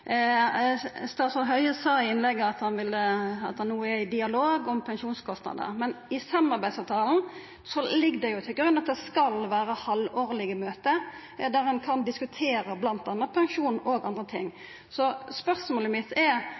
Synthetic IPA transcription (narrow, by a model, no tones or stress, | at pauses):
st̪ɑːsɔɦœʏəsɑːɪɪnlɛɡːəɑt̪hɑnʋɪlɑ̰t̪̚d̪ɛnuːəɛɪd̪ɪɑloːɡɔmpʰɛnʃuːnskʰɔst̪nɑ̰d̪ə̰ɾmɛnɪsɑmːɑʁbæɪd̪sɑːʋt̪ʰɑːln̩ | sɔlɪɡd̪ɛjʊt̪ʰɪlɡɾʉnːɑt̪̚d̪ɛskɑlʋæːɾəhɑloːʁlɪɡəmøːt̪ə | d̪æɾɛnkʰɑnd̪ɪskʉt̪ʰeːɾəblɑnt̪ɑnəpʰɛŋʂuːnoːɡɑnd̪ʁət̪ʰɪ̰ŋː | sɔspœʁsmoːləmɪt̪ʰːɛ